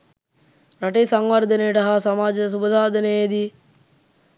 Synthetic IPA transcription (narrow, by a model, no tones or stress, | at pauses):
ɾaʈesaŋwʋaɾd̪ənejʈɐɦasamaːd͡ʒəs̬ubəd̪ʱaːd̪ənejd̪i